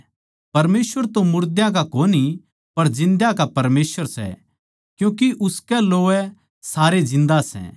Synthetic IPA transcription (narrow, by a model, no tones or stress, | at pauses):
pɐɾmeːsʋəɾt̪õmʊɾd̪jãk̬akoːni | pɐɾd͡ʒɪ̃nd̪jãkapɐɾmeːsʋəɾsɛ̰ | kjũːk̬iʔʊskɛloːɛ | saːɾed͡ʒɪ̃nd̪asɛ̰